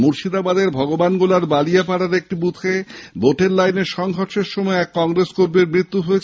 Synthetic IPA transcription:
muɾʃid̪abad̪eɾbʱɔɡobanɡolaɾbalijapaɽaɾek̚ʈibut̪ʰeboʈeɾlajneɾʃɔŋɦoɾʃeɾʃɔmɔeɛkːɔŋɾeskoɾbeɾmɾit̪ːuɦojet͡ɕʰ

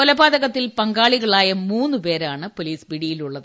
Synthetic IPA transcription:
olɐbaːd̪ɐɣɐt̪ːilpɐŋɡaːɭiɣɐɭaːjɐmuːnːɨpe̞ːɾaːɳɨpoliːsbiɽijiluɭːɐðɨ

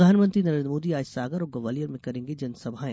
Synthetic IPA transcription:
aːnmə̃nt̪ɾinɐɾẽːnd̪ɾmoːd̪iaːd͡ʒsaːɡəɾɔːɡɐʋaːlijəɾmẽkɐɾẽːŋɡed͡ʒɐnsɐbʱaẽː

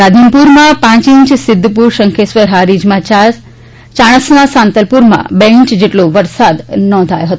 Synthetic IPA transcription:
ɾad̪ʱinpuɾmãpãt͡ʃĩɲt͡ʃsɪd̪ʱːpuɾʃəŋkʰesʋəɾɦaɾid͡ʒmãt͡ʃa | t͡ʃaɽ̃əsnasãnt̪əlpuɾmã̰beiɲt͡ʃd͡ʒeʈloʋəɾsad̪nɔ̃nd̪ʱajoɦət̪

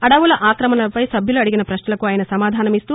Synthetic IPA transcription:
ɐɽɐʋulɐʔaːkɾɐmɐnɐlɐpɐjsɐbʱjuluɐɽiɡinɐpɾɐʃnɐlɐkuaːjɐnɐsɐmaːd̪ʱaːnɐmist̪uː

